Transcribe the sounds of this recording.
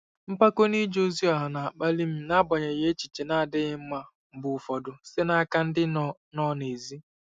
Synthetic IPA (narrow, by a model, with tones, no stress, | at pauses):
m̩˦pa˦ko˦ni˦d͡ʒo˦zi˦a˨ɦa˨na˨a˨k͡pa˦li˦m̩˦na˦bɔ˨ɲe˨ɣe˦t͡ʃi˨t͡ʃe˨na˦˨dɪ˦ɣɪ˦m̩˦ma˦˨ | bʊ˨fɔ˨dʊ˨se˦na˦a˦ka˦n̩˦dɪ˦nɔ˦ne˨zi˦